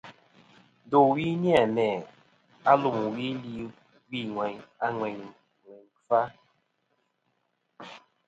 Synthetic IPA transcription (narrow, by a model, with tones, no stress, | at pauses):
do˨wi˦ni˦a˨mɛ˨ | a˦lu˨mu˨wi˦li˨ | ɡ͡bi˦˨ŋʷɛ˨ɲa˦ŋʷɛ˨ɲ˨ | ŋʷɛ˨ɲ | fa˦